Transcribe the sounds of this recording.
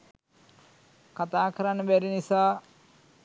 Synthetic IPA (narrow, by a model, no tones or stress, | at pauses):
kat̪aːkʰɐɾanbɛɾinisaː